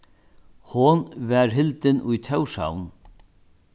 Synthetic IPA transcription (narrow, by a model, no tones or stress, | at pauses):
hʊnvɛɾɦɪlt̪ɪnʔʊjt̪ʰœwʂa̰wn